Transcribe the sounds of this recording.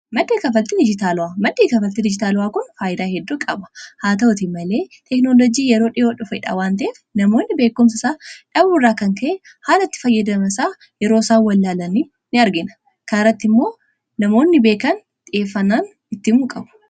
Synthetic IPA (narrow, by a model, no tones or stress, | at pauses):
mɐd̪ːeːkɐfɐlt̪ɪd̪ɪd͡ʒɪt̪aːlʊwaːmɐd̪ːeːkɐfɐlt̪ːɪd̪ɪd͡ʒɪt̪aːlʊwaːkʊnfaːjɪd̪aːhɛd̪ːukʼɐbɐ̥haːt̪ɐʊt̪ɪmɐle̞ːt̪ɛknoːlɔd͡ʒiːjɛɾo̞ːᶑɪoːᶑʊfɐɪᶑa̰ːwaːnt̪̬ɐeːfnɐmo̞ːnːɪbe̞ːkːʊms̬ɐsaːᶑɐbuːrːaːkɐŋkʰɐʔɛ | haːlɐɪt̪ːɪ̥fɐjːɐd̪ɐmɐsaː | jɛɾoːsaːwɐlːaːlɐniː | nɪɐɾɡɪnɐ̥ | kaːɾɐt̪ːɪmːo̞ː | nɐmoːnːɪbe̞ːkɐn | t̪ʼɪe̞ːfːɐnaːn | ɪt̪ːɪmuːkʼɐbʊ̥